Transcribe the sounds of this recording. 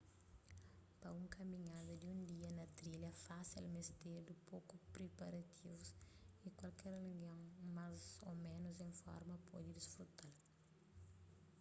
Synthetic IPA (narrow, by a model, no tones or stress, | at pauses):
pɐũŋkʰɐmiɲad̪ɐd̪iũnd̪iɐnɐt̪ɾilɐfasḭlmest̪eɾd̪upokupɾepɐɾɐt̪ʰivusikwɐlkɛɾreɡɐ̃ŋmazo̰mẽnʊzẽŋfɔ̰ɾmɐpɔdid̪isfɾut̪al